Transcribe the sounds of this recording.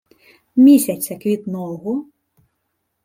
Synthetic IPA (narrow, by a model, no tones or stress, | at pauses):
mʲisʲɐt͡sʲːɐkʋʲit̪nɔwˠɣʊ